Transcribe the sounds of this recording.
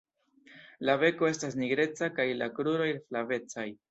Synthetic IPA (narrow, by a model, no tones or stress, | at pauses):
lave̞ko̞e̞stas̬niɡɾe̞t͡sakajlakɾuɾo̞jflave̞t͡saj